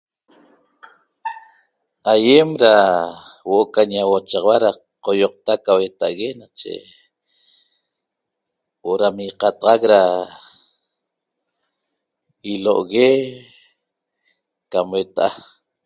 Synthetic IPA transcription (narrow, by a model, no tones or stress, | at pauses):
ajemɾa | woʔokaɲawot͡ʃɑʁwaɾa | qojoq̚t̪akawet̪aʔɣenat͡ʃḛ | woʔoɾamiqɑt̪ɑʁɑkɾa | ilo̰ʔɣe | kamwet̪aʔa